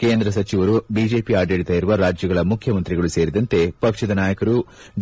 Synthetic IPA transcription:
ke̞ːnd̪ɾɐs̬ɐt͡ʃiʋɐɾubiːd͡ʒe̞ːpiaːɖeːɽit̪aːjiɾuʋɐɾaːd͡ʒjɐɡɐɭɐmukʰjɐmɐnt̪ɾiɡɐɭuse̞ːɾid̪ɐnt̪e̞pɐkʂɐd̪ɐnaːjɐkɐɾu | d͡ʒ

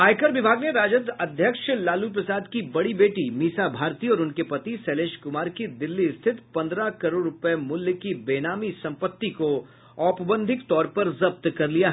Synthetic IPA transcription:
aːjkəɾʋɪbʱaːɡneɾaːd͡ʒəd̪ɐd̪ʱjəkʃlaːlup̬ɾɐsaːd̪kibɐɽibeːʈimiːsabʱaːɾt̪iɔːɾʊnkepɐt̪isɛːleːʃkʊmaːɾkid̪ɪlːiɪst̪ʰɪt̪pɐ̃nd̪ɾakɐɾoːɽɾʊpɛmʊljəkibeːnaːmisɐ̃mpət̪ːiko | ɔːpbə̃nd̪ʱɪkt̪ɔːɾpɐɾzɐb̚t̪kɐɾlijaɦ

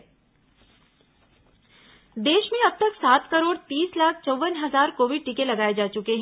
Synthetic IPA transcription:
d̪eːʃmẽɐb̚t̪ɐksaːt̪kɐɾoːɽt̪iːslaːkʰt͡ʃɔʋənɦɐzaːɾkoːʋɪɖ̚ʈikelɐɡaːed͡ʒaːt͡ʃʊkeɦɛ̃

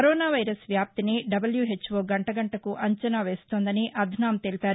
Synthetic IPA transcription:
kɐɾoːnaːʋɐjɾɐsʋjaːp̚t̪iniɖɐbɐljuɦe̞t͡ʃːʋoːɡɐɳʈɐɡɐɳʈɐkuʔɐɲt͡ʃɐnaːʋeːst̪oːnd̪ɐniʔɐd̪ʱnaːmt̪elipaːɾu

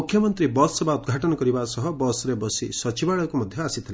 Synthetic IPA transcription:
ukʰjɔmɔnt̪ɾibɔsebaud̪ɡʱaʈɔnɔkɔɾibasɔɦɔbɔsɔɾebɔsisɔt͡ʃibaɭɔkumɔd̪ʱjɔasit̪ʰile

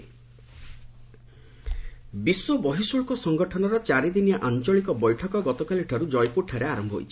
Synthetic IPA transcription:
biswɔbɔɦisuɭkɔsɔŋɡɔʈʰɔnɔɾɔt͡ʃaɾid̪inijaʔant͡ʃɔɭikɔbɔjʈʰɔkɔɡɔt̪ɔkaliʈʰɔɾud͡ʒɔjpuʈʰːaɾeaɾɔmbʱɔɦo̰jt͡ʃʰi̥

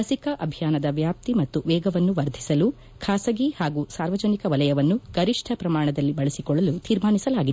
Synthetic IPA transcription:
ɐsikɐʔɐbʱjaːnɐd̪ɐʋjaːp̚t̪imɐt̪ːuʋɛːɡɐʋɐnːuʋɐɾd̪ʱisɐlu | kʰaːsɐɡihaːɡuːsaːɾʋɐd͡ʒɐnikɐʋɐlɐjɐʋɐnːuɡɐɾiʂʈʰɐpɾɐmaːɳɐd̪ɐlːibɐɭɐsikɔɭːɐlut̪iːɾmaːɳisɐlaːɡid̪e

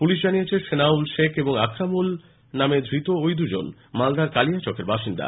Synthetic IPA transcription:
puliʃ̬d͡ʑanijet͡ɕʰeʃenaulʃekʰeboŋakʰɾamul | named̪ʱɾit̪oojd̪ud͡ʑo̰n | mald̪aɾkaliat͡ɕokʰeɾbaʃind̪a̰

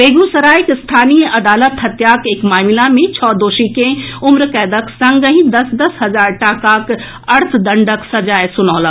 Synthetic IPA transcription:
beːɡusɐɾaːjkɪst̪ʰaːnijəʔɐd̪aːlət̪ɦɐt̪jaːkeːkmaːmɪlamẽt͡ʃʰɔːd̪oːʃikẽʊmɾkɛːd̪əksɐ̃ŋɡəɦĩd̪ɐsd̪ɐsɦɐzaːɾʈaːkaːk | ɐɾt̪ʰd̪ɐɳɖəksɐd͡ʒaːjsʊnɔːlɐ

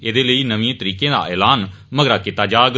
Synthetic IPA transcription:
eːd̪eːləiːnəʋẽːt̪əɾiːkẽːd̪a̰ːʔɛːlaːn | məɡɾaːkit̪ːaːd͡ʒaːɡ

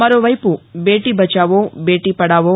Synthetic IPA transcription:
mɐɾoːʋɐjpube̞ːʈiːbɐt͡ʃaːʋoːbe̞ːʈiːpɐɽaːʋoː

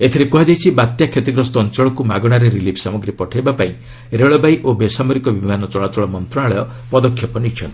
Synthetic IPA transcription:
et̪ʰiɾekuɦad͡ʒajt͡ʃʰibat̪jakʰjet̪iɡɾɔst̪ɔːnt͡ʃɔɭɔkumaɡɔɽ̃aɾeɾilipʰsamɔɡɾipɔʈʰajbapaĩ | ɾeɭɔbajʔobesamɔɾikɔbimanɔt͡ʃɔɭat͡ʃɔɭɔmɔnt̪ɾɔnaɭɔjɔ | pɔd̪ɔkʰːjɔpɔnit͡ʃʰɔnt̪i

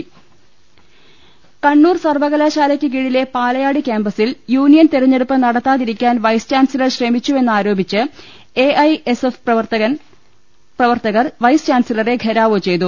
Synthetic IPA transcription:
kɐɳːuːrsɐrʋɐɣɐlaːɕaːlɐkʲːɨk̬iɻile̞paːlɐjaːɽikʲaːmbɐsiljuːnijɐnt̪eɾɐɲːeɽupːɐnɐɽɐt̪ːaːðiɾikʲːaːnʋɐjst͡ɕaːnsilɐrɕremit͡ɕːuenːɨaːɾo̞ːbʱit͡ɕːɨ | eʔɐjesefɐʋɐt̪ɐɐ | prɐʋɐrt̪ɐɣɐrʋɐjst͡ɕaːnsilɐre̞ɡʱeɾaːʋot͡ɕe̞jt̪u

